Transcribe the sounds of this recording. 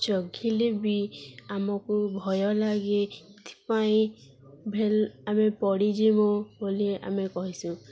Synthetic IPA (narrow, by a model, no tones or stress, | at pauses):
t͡ʃɔɡʱilebiamɔkubʱɔjɔlaɡet̪ʰi̥paĩ | bʱelamepɔɽid͡ʒimobolia̰mekɔɦisũ